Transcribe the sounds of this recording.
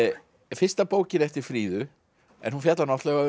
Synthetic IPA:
fɪr̥st̪apoːwcɪɾɛft̪ɪɾ̥fɾiːðʏ | ɛ̰nhunfjat̪lanɔht̪lɛɣa

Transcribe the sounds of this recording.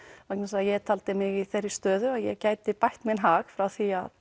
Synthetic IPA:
vaknasajɛt̪ʰalt̪ɪmɪɣiθɛrːɪ̥st̪œːðʏajɛcaːjt̪ɪpajht̪mɪnɦaːxfɾawθia̰ð

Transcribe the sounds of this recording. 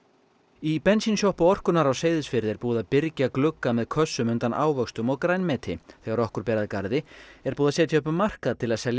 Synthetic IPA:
ipɛnsinsjɔhpaɔr̥kʏnaɾawseːjðɪsfɪɾðɛɾpuːðaðpɪɾcaklʏkːamɛðkʰœsːʏmʏnt̪anʔa̰ːwvœkst̪ʏmɔɣkɾajnmɛːt̪ʰɪθɛːɣaɾɔhkʏɾ̥pɛːɾaðkaɾðɪɛɾpuːðasɛːt̪jœʏpʏmmːar̥kaðt̪ʰɪlaðsɛl

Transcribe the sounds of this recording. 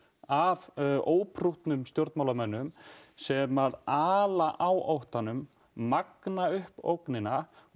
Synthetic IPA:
avoːwpʰɾuht̪nʏmst̪jowɾt̪mawlamɛnːʏmsɛmaðaːlaʔawʔowht̪anʏmː | aknaʏhpo̰wknɪna

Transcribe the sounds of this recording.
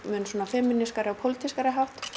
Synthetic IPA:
mɛnsɔːnafɪmːɪniskaɾɪapʰowlt̪ʰiskaɾɪɦaft̪

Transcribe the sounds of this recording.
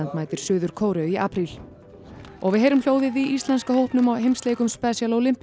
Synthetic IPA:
ant̪maːjt̪ɪɾ̥sʏːðʏɾ̥kʰoːwɾʏðiʔaːpʰɾil | ɔ̰ɣvɪðɦeːjɾʏml̥joːwðɪviʔist̪lanskahowhpnʏmawɦejmst̪leːjkʏmspɛsjalowlɪm̥p

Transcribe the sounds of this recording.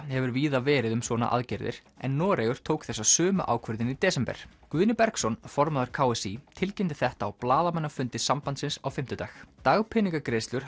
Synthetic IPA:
hɛvʏɾviːðavɛːɾɪðʏmsvɔːna̰ʔa̰ðcɛɾðɪ̰ɾ̥ | ɛnːɔːɾejʏɾ̥t̪ʰoːwkθɛsːasʏːmʏ̰ʔa̰ːwkʰvœɾðɪnit̪ɛːsɛmpɛ̰ɾ̥kvɪnɪpɛɾksɔnfɔɾmaðaɾ̥kʰaːwɛsit̪ʰɪlcɪnt̪ɪθɛht̪aːwplaːðamɛnːafʏnt̪ɪsampant̪sɪnsawfɪm̥t̪ʏt̪aːxt̪aɣpʰɪniŋkakɾeːjst̪lʏɾ̥

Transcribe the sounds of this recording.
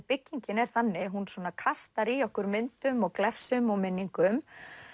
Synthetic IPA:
pɪcːiɲcɪnɛɾ̥θanːɪɦunsvɔːnakʰast̪aɾiɔhkʏɾmɪnt̪ʏmɔɣklɛfsʏmɔɣmɪnːiŋkʏm

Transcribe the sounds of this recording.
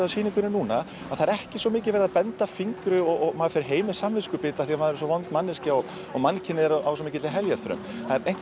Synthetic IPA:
asiːniŋkʏnɪnuːna | aðθaɾɛhcɪsɔmɪːcɪvɛːɾɪðapɛnt̪afiŋkɾʏɔɣɔɣmaːafɛɾɪɾɦeːjmɪ̥samvɪskʏpɪːt̪aθiamaðɛɾsɔvɔnt̪manːɪscɪɔɣ | ɔɣmancʰɪnːɪɛɾaws̬ɔmɪːcɪɪɦɛljaɾ̥θɾœ̰mθaðɛɾejŋ̥k

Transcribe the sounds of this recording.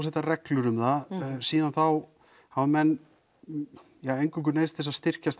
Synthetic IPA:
s̬ɛht̪arɛklʏɾʏmðasiːðanθaw | havmɛnː | jaejŋkʏkʏneːðst̪θɛsaðst̪ɪr̥cast̪

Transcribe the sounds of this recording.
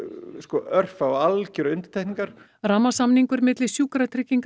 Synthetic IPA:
skɔʔœr̥fawalcɪɾʏnt̪ɪ̥t̪ʰɛjhniŋkaɾ̥ | ramasamniŋkʏɾmɪt̪lɪsjuːkɾat̪ʰɾɪcːiŋk

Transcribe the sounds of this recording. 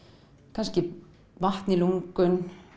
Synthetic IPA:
kʰanscɪ | vaht̪nɪluŋkʏn

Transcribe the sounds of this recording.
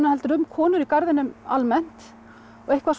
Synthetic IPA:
nʏhɛlt̪ʏɾʏmkʰɔːnʏɾikaɾðɪnʏma̰lmɛn̥t̪ | ɔɣejhkvas

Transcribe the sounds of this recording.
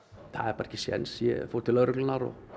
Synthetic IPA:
θa̰ðɛɾpaɾcɪsjɛ̰nsjɛ̰fo̥ːt̪ʰɪlœɾʏklʏnaɾɔ̰

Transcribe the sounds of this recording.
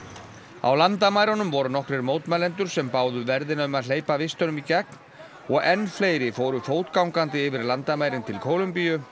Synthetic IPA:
a̰wlant̪amaːjɾanʏmvɔɾʏnɔhkɾɛɾmoːwt̪malɛnt̪ʏɾ̥sɛmpaːwðʏvɛɾðɪnaʏmaðl̥eːjpavɪst̪œnʏmicɛkn | ɔɣɛnːfleːjɾɪfoːwɾʏfoːwt̪kawŋkant̪ɪɪːvɪɾlant̪amaːjɾɪnt̪ʰɪlkʰoːwlʏmpijʏ

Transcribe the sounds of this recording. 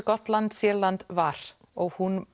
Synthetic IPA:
kɔt̪lant̪sjɛːlant̪vaɾ̥ | ɔɣhun

